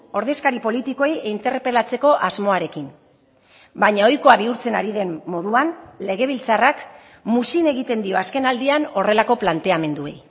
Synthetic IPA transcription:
o̞ɾðe̞skaɾipo̞lit̪ikojeint̪e̞rpelat͡se̞ko̞ʔazmo̞aɾe̞kim | bajɲao̞jko̞aβiuɾt͡se̞naɾiðe̞mːo̞ðuanle̞ɣ̞e̞β̞ilt͡sarak | musine̞ɣit̪e̞nd̪io̞aske̞nald̪iano̞re̞lako̞plant̪e̞ame̞nd̪ue̞̰j

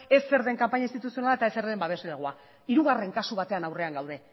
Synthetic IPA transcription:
e̞sːe̞ɾðe̞ŋkampaɲaist̪it̪usio̞nalaet̪ae̞se̞ɾðe̞mbaβe̞zle̞ɣ̞ua | iɾuɣ̞are̞ŋkasuβ̞at̪e̞anawre̞aŋɡawðe̞

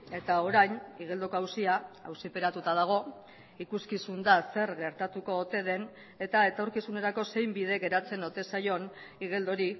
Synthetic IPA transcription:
e̞t̪ao̞ɾajniɣ̞e̞ld̪o̞koawsiaa̰wsipe̞ɾat̪ut̪að̞aɣ̞o̞ | ikuskisund̪ase̞ɾɣe̞ɾt̪at̪uko̞ːt̪e̞ð̞e̞n | e̞t̪ae̞t̪o̞ɾkisune̞ɾako̞se̞jmbiðe̞ɣe̞ɾat͡se̞no̞t̪e̞sajo̞n | iɣ̞e̞ld̪o̞ɾi

